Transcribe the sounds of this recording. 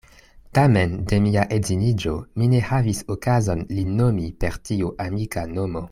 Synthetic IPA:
tame̞nde̞miaʔe̞zinid͡ʒo̞mine̞havisokazonlino̞mipe̞ɾtiuʔamikano̞mo̞

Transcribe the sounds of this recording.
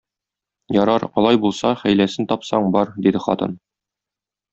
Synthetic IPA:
jɒɾɑɾɒlˠɑjbulˠsɑχæjlæsɘnt̪ɒpsɑɴbɒɾd̪id̪ɘχɒ̰t̪ɤ̰n

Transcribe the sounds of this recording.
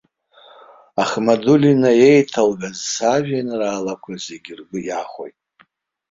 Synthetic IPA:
aχmadulinaje̞jtʰalɡazsaʒᶣanraːlakʷʰaze̞ɡʲirɡɨjaχʷo̰jtʼ

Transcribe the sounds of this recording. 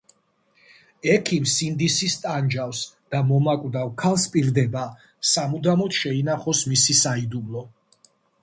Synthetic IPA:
ɛkʰimsind̪isist̪ʼand͡ʒafsd̪̥amɔmakʼwd̪awkʰalˠspʼiɾd̪ɛba | samud̪amɔt̪ʃɛinaχɔsmisisaid̪umlˠɔ

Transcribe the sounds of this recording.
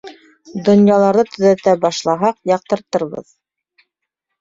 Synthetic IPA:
d̪ŏnjɑlˠɑɾðɤt̪ɵ̆ðæt̪æbɑʃlˠɑɦɑqjɑq̚t̪ɤ̆ɾt̪ɤ̆ɾβɤ̰ð

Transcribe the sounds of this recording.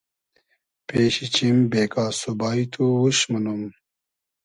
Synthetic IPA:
peːɕit͡ɕimbeːkaːsubaːit̪ʰuwuɕmɐnum

